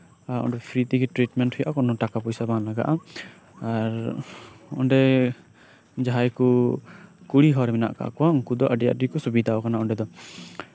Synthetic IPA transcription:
aɔ̰ɳɖɛpʰɾit̪ikɛʈɾiʈmɛɳʈhɔjaʔakɔnɔʈakapɔjsabanlaɡa̰ʔa | aɾ | ɔ̰ɳɖɛ | d͡ʒaɦajku | kuɽiɦɔɾɛmɛna̰ʔka̰ʔa̰kɔwauŋkud̪ɔʔəɖija̰ʔɖikɔsubid̪ʱaɔkanaɔɳɖɛd̪ɔ

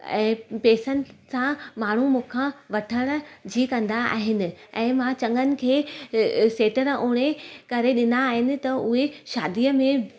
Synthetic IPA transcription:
ɛ̰̃ːpeːsənɪ̆sãmaːɳ̤umũːkʰãʋɐʈʰəɽ̃̆d͡ʑiːkɐ̃nd̪aa̰ːɦɪnɪ̆ɛ̃ːmãt͡ɕɐ̃ŋənɪ̆kʰeː | seːʈəɾuːɽ̃ekɐɾeɗɪnaːɦɪnɪ̆t̪ɐʊɦeʃaːd̪ijəmẽ

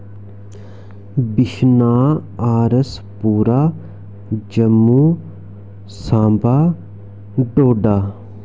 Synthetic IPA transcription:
biʃnaːaːɾəspuːɾaː | d͡ʒɐmːuː | sãːmbaː | ɖoːɖaː

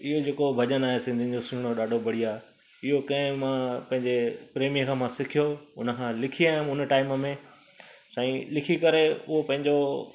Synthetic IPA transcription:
ɪɦod͡ʑeːkobʱɐʄənaːɦesɪ̃nd̪ʱin̆d͡ʑosĩːɽ̃oɗaːɖʱobʱɐɽ̤iaːe | ɪɦokɐ̃ɪ̃mãpɐ̃ɦɪ̃ɲd͡ʑepɾeːmijəkʰãːmãsɪkʰijoʊnə̆kʰãlɪkʰiaːɦjʊ̃mʊnəʈaːɪməmẽ | sãːĩlɪkʰikɐɾeʊ̰ɦopɐ̃ɦɪ̃ɲd͡ʑo

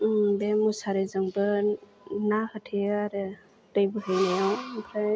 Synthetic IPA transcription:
bemusaɾɯzɯŋbɯ | nahɯtʰeaɾɯ | təjbɯɦɯjlejawkʰɾaj

